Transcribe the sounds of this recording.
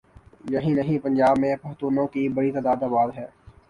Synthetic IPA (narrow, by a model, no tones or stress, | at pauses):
jɐɦĩnɐɦĩpɐ̃nd͡ʒaːbmẽpɐɦt̪uːnõkibɐɽit̪aːd̪aːd̪aːbaːd̪ɦɛː